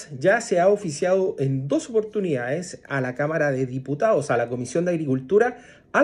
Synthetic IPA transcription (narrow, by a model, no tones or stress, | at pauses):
ʝaseaofisjaðoʔend̪o̞sopo̞ɾt̪uniðaðesalakamaɾaðeðiput̪aðosalako̞misjond̪aɣɾikult̪uɾaː